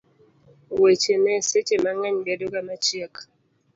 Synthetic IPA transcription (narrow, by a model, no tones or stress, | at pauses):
wet͡ʃenɛset͡ʃemaŋɛɲbɛdokamət͡ʃiək